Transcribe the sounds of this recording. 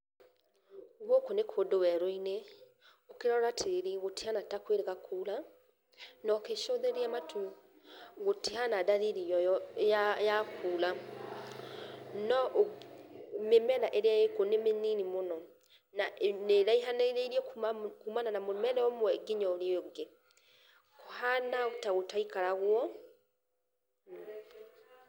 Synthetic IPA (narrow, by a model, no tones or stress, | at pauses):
ɣwokonekʰodowɛɾoine | okeɾɔɾatʰeɾiɣotihanatakweɾeɣakʰuːla | nɔkeʃoðeɾeamatʰu | ɣotihanadaðiɾijɔajakʰuːla | nɔʔ | memɛlaʔeɾeajekonemeninimonɔ | naneɾaiɦaneɾeɾiɛkkumananamomɛlɛɔmwɛɡeɲɔoɾeoŋɡe | kohanaotaɣotaikaɾaɣwɔ